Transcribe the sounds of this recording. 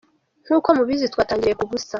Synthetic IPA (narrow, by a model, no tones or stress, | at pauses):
ŋ̥uːko̞muβizitwaːtaːɲɟiɾejekuβusa